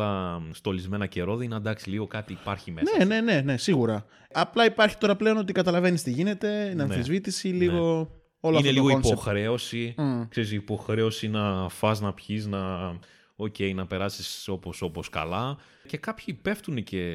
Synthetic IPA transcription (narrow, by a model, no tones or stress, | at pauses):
ɐst̪o̞lizme̞nɐce̞ɾo̞ðiinɐd̪ɐksi̥liɣo̞kɐt̪iːpɐɾçimenene̞ne̞ne̞siɣuɾɐ | ɐplɐipɐɾçi̥t̪o̞ɾɐple̞o̞no̞t̪̬ikɐt̪ɐlɐve̞nist̪iʝine̞t̪e̞nɐnθizvit̪isiliɣo̞ | o̞lɐfitneliɣoinpoxɾe̞o̞sikse̞ɾisiːpo̞xɾe̞o̞sinɐfɐznɐpçiznɐ | o̞ce̞jnɐpe̞ɾɐsiso̞po̞so̞po̞skɐ̰lɐ | ce̞kɐpçipe̞ft̪unece̞